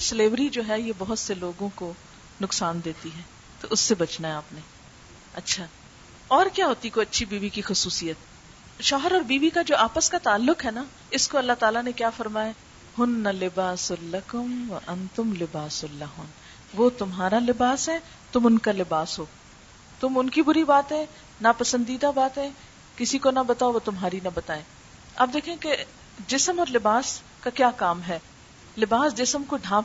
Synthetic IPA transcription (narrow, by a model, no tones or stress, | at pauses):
səleːʋɾid͡ʒoːɦɛjebɐɦʊt̪seloːɡõko | nʊksaːnd̪eːt̪iɦɛː | t̪oʔʊsːebɐt͡ʃnaeaːpne | ɐtːʃʰaː | ɔːɾkjaːɦoːt̪ikoɐtːʃʰibiːʋikixʊsuːsijət̪̚ | ʃɔːɦəɾɔːɾbiːʋikad͡ʒoːʔaːpəskat̪aːlːʊkɦɛna | ɪskoɐlːat̪aːlanekjaːfɐɾmaːja | hʊnːɐlɪbaːsʊlːɐkʊmʋɐʔɐ̃nt̪ʊmlɪbaːsʊlːɐɦʊːn | ʋoːt̪ʊmɦaːɾalɪbaːsɦɛ̃ | t̪ʊmʊnkalɪbaːsɦoː | t̪ʊmʊnkibʊɾibaːt̪ɦɛ̃ | nɐpɐsə̃nd̪iːd̪abaːt̪ɦɛ̃ | kɪsikonɐbɐt̪aːoʋot̪ʊmɦaːɾinɐbɐt̪aːẽː | ɐb̚d̪eːkʰẽke | d͡ʒɪsəmɔːɾlɪbaːs | kakjaːkaːmɦɛː | lɪbaːsd͡ʒɪsəmkoɖʱãː